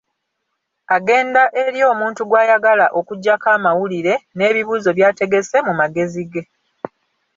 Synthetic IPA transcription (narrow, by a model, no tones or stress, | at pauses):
aɡe̞ːndaʔe̞ɾjo̞ːmuːntuɡwaːjaɡalaʔo̞kuɟːakaːmawuliɾe̞ne̞ːβiβuːzo̞βjaːte̞ɡe̞se̞mumaɡe̞ziɡe̞